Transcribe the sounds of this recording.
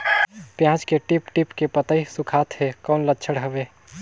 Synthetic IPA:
pjãt͡ʃkeʈipʈipkepət̪əisukʰat̪ɦekɔʊnlətːt͡ʃʰəɽɦəbe

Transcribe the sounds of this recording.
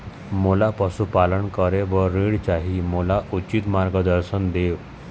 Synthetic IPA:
molapəsupaləɳkəɾeʋəɾiɽt͡ɕaɦimolaʔut͡ɕit̪maɾɡəd̪əɾɕənd̪eʋ

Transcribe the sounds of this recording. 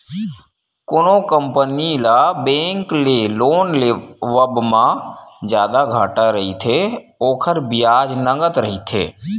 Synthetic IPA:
kʊnokə̃mpənilabẽːŋkleloːnleʋəbmãd͡ʒjaːd̪aɡʱaːʈaɾəɦit̪ʰe | oːkʰəɾbɪjaːd͡ʒnəŋɡət̪ɾəɦit̪ʰḛː

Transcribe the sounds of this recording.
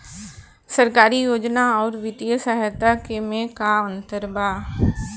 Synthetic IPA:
səɾkaːɾijoːd͡ʒnaɔːɾʋɪt̪ijəsaɦɛt̪aːkemẽkaːənt̪əɾbaː

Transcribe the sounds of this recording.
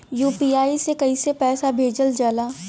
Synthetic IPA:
juːpiaːisekɐisepɛːsabʱeːd͡ʒəld͡ʒaːlaː

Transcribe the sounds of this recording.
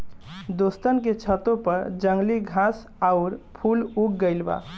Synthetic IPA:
d̪ost̪ənket͡ʃʰət̪opəɾd͡ʒəŋɡliɡʱãs | aʊɾpʰuluk̚ɡəɪlba̰

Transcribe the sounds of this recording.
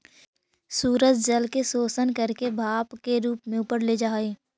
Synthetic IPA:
suːɾətd͡ʒəlkesoːsənkəɾkebʱaːpkeɾuːpmẽʊpəɾled͡ʒaːeː

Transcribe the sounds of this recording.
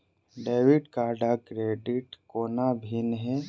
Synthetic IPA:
ɖeːʋɪɖkaːɾɖakɾeːɖɪʈkoːnabʱinɦɛ

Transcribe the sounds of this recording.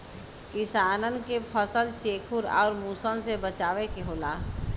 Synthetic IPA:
kɪsaːnənkepʰəsəlt͡ʃeːkʰʊɾɔ̰ːɾmuːsənsebət͡ʃaːʋekeɦoːlaː

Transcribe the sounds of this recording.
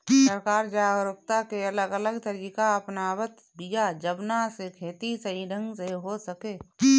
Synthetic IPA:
səɾkaːɾd͡ʒaɾʊp̚t̪akeɐləɡələɡt̪əɾiːkaəpnaːbət̪ | bijad͡ʒəbnasekʰeːt̪isəɦiɖʱə̃ŋɡseɦosəkeː

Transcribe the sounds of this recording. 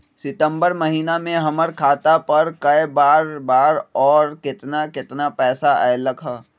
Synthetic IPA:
sɪt̪ə̃mbəɾmɐɦiːnamẽɦɐməɾkʰaːt̪apɐɾkɐebaːɾbaːɾɔːɾkɪt̪nakɪt̪napɛːsaɛːlɐkʰaː

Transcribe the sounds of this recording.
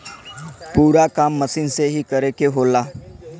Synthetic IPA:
puːɾakamːəsiːnseɦiːkəɾekeɦolaː

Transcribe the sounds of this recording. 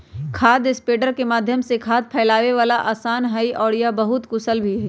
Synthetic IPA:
kʰaːd̪ɪspeːɖəɾkemaːd̪ʱjəmsekʰaːd̪̚pʰɛːlaːʋeʋaːlaʔaːsaːnɦɛiʔɔːɾjabɐɦʊt̪kʊsəlbʱiɦɛ

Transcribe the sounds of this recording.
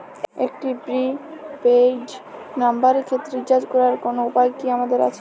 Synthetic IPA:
ek̚ʈibɾiped͡ʑnambaɾekʰet̪ːɾed͡ʑad͡ʑkɔɾaɾkonoupajkiamad̪eɾa̰t͡ɕʰe̥

